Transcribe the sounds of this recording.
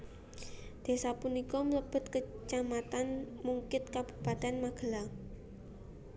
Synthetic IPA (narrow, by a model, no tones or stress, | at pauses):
d̪̥e̤sapunikɔmələb̥ə̤t̪kət͡ʃamat̪anmuŋkɪt̪̚kab̥u̥̤pat̪ɛnmaɡ̥ə̤la